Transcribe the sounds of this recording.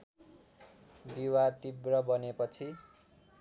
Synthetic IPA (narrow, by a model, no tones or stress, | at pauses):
biwat̪ibrʌbʌnepʌt͡sʰi